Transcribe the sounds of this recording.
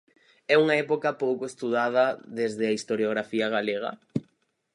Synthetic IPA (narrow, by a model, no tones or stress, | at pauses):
ɛuŋaɛpokɐpowkoest̪uðað̞ɐðezðɪaist̪oɾjoɣɾafiaɣ̞aleɣ̞ɐ̰